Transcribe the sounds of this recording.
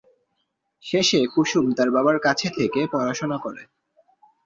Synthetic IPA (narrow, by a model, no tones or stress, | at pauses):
ʃeʃekuʃumt̪aɾbabaɾkat͡ɕʰet̪ʰekepɾɔɾaʃonakoɾḛ